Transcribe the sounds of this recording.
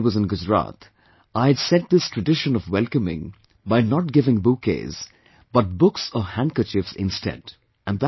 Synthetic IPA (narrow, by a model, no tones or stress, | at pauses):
wʌzɨ̃nɡʊd͡ʒɹa̰t̪ʰ | aɪɨdsɛ̃t̚d̪ɪstʰɹ̥ɨdɪʃə̃nɔvwɛlˠkəmɪ̰̃ŋ | baɪnət̚ɡɪvɪ̃ŋbukḛz | b̥ʌt̚bʊksɔhæ̃ŋkə˞t͡ʃɪfsɪ̰̃nstɛ̰d | ɨ̃nð